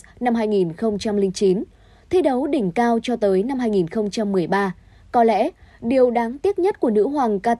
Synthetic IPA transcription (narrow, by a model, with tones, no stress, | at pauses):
na˧mɦaː˧jŋi˨˩nxə˧wŋ͡mt͡ɕa˧mlï˧ŋt͡ɕi˨˦n | t̪ʰi˧ɗə˨˦wɗï˧˩ŋ̟kaː˧wt͡ɕɔ˧t̪əː˨˦jna˧mhaː˧jŋi˨˩nxə˧wŋ͡mt͡ɕa˧mːɨ˨˩əjɓaː˧ | kɔ˨˦lɛ̰˧˥ɗi˨˩əwɗaː˨˦ŋt̪i˦˥ət̚ɲə˦˥t̚ku˧˩ənɨ̰˧˥əɦwaː˨˩ŋkaː˧